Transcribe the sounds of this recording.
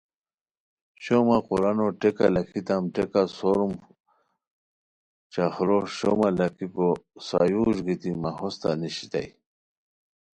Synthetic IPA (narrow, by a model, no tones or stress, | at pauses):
ɕomaquɾanoʈeka̰lakʰit̪amʈekasoɾum | t͡ɕaxɾoɕo̰malakʰiposa̰juːʐɡit̪imahost̪a̰niɕi̥t̪a̰j